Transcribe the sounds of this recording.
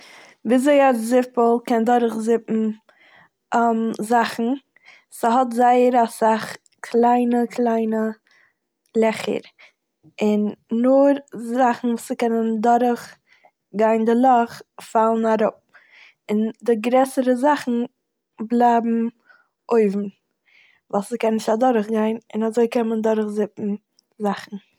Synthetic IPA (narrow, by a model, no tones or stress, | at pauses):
viːzeɪazɪpəl̩ˠkɛndɔɾəχzɪpm̩ | mzaχn̩ | səɦɔtzaɪəɾasaχ | kʰlˠaɪnəkʰlˠaɪnə | lˠɛχə̰ɾ | ɪnːʊɾzaχn̩vuːsəkɛnəndɔɾəχ | ɡaɪndɪlˠɔχfalˠn̩aɾʊp̚ | ɪndɪɡɾɛsəɾəzaχn̩ | blˠaɪbm̩ | oɪvm̩ | valˠskɛnnɪʃtadɔɾəχɡaɪnɪnazoɪkɛməndɔɾəχzɪpn̩ | zaχn̩